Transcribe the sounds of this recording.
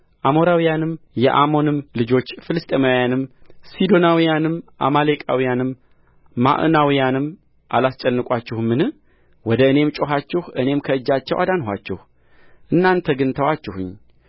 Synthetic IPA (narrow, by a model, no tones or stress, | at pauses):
ʔamo̞ɾawijanɨmjɛ̰ʔamo̞nɨmlɨd͡ʒo̞t͡ʃːfɨlɨst̪ʼemawjanɨmsid̪o̞nawijanɨmʔa̰malekʼa̰wijanɨmː | a̰ʔɨ̰nawijanɨm | ʔa̰last͡ʃʼɛnːɨkʼat͡ʃːɪhmːɨnɨ | wɔd̪əɨne̞mt͡ʃʼo̞ɦat͡ʃːɪhʔɨne̞mkʰəɨd͡ʒːat͡ʃːɛwʔa̰d̪anɦʷa̰t͡ʃːɛ̰h | ʔɨnːant̪ʰəɡɨnt̪ʰəwat͡ʃːɪhʊ̰ɲː